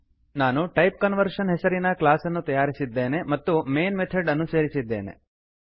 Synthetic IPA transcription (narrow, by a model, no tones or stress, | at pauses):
naːnuʈɐjp̚kənʋəɾʃənɦɛsɐɾinaklaːsənːut̪ɐjaːɾisid̪ːeːnemɐt̪ːumeːnmet̪ʰeɖɐnːuseːɾisid̪ʱːḛːnḛ